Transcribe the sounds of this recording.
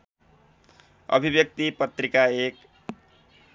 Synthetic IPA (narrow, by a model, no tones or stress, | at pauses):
ʌ̰bʱibjʌk̚t̪ipʌt̪rikaek